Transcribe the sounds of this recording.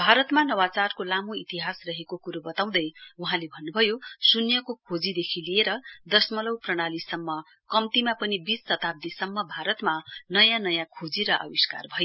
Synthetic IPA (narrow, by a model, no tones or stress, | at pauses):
bʱaɾʌt̪manʌwat͡sarkolamoit̪iɦasrʌɦekokuɾubʌt̪aw̃d̪ʌjuɦãlebʱʌnːubʱʌjosunjʌkokʰod͡zid̪ekʰilieɾʌd̪ʌsmʌlʌwprʌɽ̃alisʌmːʌ | kʌmt̪imapʌnibit͡stʌt̪ab̚d̪isʌmːʌbʱaɾʌt̪manʌjãnʌjãkʰod͡ziɾʌʔʌ̰biska̰rbʱʌjo